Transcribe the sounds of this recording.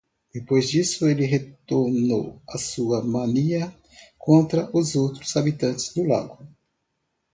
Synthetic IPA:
d̪̥epojzd͡ʒisʊelɪɦet̪oɾno̰wɐsuɐmɐ̃niɐ | kʰõnt̪ɾɐʔʊzowt̪ɾʊzabit̪ɐ̃nt͡ʃɪ̥zd̪ʊla̰ɡʊ

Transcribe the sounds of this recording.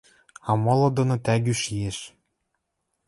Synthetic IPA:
ɑmɤ̆lɤ̆d̪ɤ̆nŏt̪æɡʲyʃieʃ

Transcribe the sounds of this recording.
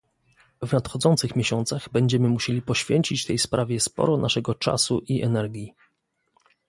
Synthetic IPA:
vnat̪xɔd̪zɔnt̪sɘxmʲjeɕɔnt̪saɣbɛɲd͡ʑɛmɘmuɕelʲipɔɕfʲjeɲt͡ɕit͡ɕt̪ɛjspɾʔavʲjɛspɔ̰ɾɔnʔaʂɛɡɔt͡ʂa̰suʔiʔɛnɛɾɡʲji

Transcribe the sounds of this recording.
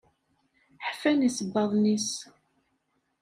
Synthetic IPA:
ħfænisəbːɑðˤnis

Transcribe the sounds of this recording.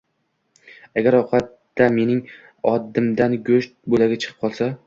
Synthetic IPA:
aɡʲaɾɒqʰat̪ːame̞nɪŋ | ɒd̪ːɪmd̪anɡʲɵʃt̪̚bolaɡʲat͡ʃʰɨ̥qʰɨ̥p̚qʰɒlˠsa

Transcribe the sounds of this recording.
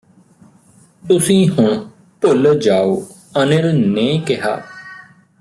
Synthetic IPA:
t̪ʊsĩːɦʊɳ̃ | pʊld͡ʒaːoː | ənəɾnẽːkɪɦa̰ː

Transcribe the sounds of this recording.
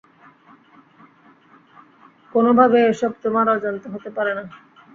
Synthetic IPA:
konobʱabeeʃɔb̚t̪omaɾad͡ʑont̪oɦot̪epaɾena

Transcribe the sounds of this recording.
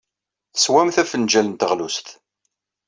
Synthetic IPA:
θə̥swæmθæfənd͡ʒælənt̪əʁlust̪

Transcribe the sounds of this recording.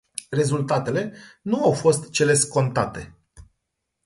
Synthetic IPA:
re̞zult̪at̪e̞le̞nuawfo̞st̪t͡ʃe̞le̞sko̞nt̪at̪e̞̰

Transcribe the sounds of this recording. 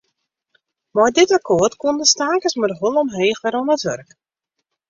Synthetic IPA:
mɔjdɪtakʰoərtkundəstaːkəsmərɦolˠəmɦeːxʋɛɾɔnətʋø̰rk

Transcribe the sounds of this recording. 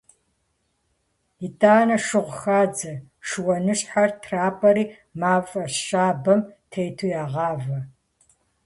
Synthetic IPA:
itʰʼaːnɐʂɨʁʷxaːd͡zɐʂɨwɐnɨɕʼħartʰraːpʼɐɾiː | maːfʼɐɕaːbɐmtʰejtʰujaːʁɑːvɐ

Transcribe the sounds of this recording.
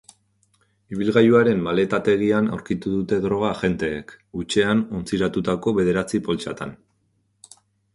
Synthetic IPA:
iβ̞ilɣajuaɾe̞mːale̞t̪at̪e̞ɣ̞iana̰wɾkit̪uðut̪e̞ðɾo̞ɣ̞aʝe̞nt̪e̞ːkut͡ʃe̞ano̞nt͡siɾat̪ut̪ako̞βe̞ð̞e̞ɾat͡sipo̞lt͡ʃa̰t̪a̰n

